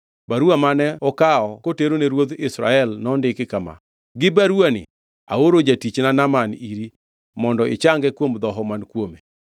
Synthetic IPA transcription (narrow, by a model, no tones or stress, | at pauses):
baɾuamanɛɔkaɔkoteɾoneɾwot̪ɪsɾa̰ɛlnɔndɪkɪkama̰ | ɡɪbaɾuanɪ̰ | a̰oɾod͡ʒatit͡ʃnanamaniɾi | mɔndɔɪ̰t͡ʃaŋɡɛkwomd̪ɔɦɔmankwome